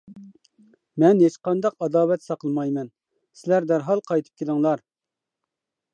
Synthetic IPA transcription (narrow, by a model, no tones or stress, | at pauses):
mɛnhet͡ʃqɑnd̪ɑqɑd̪ɑːwɛt̪sɑqʰəlˠmɑjmɛn | sɪlæɾd̪æɾɦɑlˠqʰɑjt̪ʰɨ̥p̚kʲʰelˠɪŋlˠɑɾ